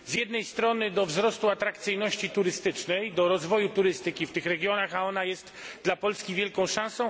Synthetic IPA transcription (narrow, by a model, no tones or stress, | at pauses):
zjɛd̪nɛjst̪ɾɔnɘd̪ɔvzɾɔst̪uat̪ɾakt̪sɘjnɔɕt͡ɕit̪uɾɘst̪ɘt͡ʂnɛjd̪ɔɾɔzvɔjut̪uɾɘst̪ɘkʲift̪ɘxɾɛɡʲjɔnaxaɔnajɛst̪d̪lapɔlskʲivʲjɛlkɔ̃w̃ʂãsɔ̃w̃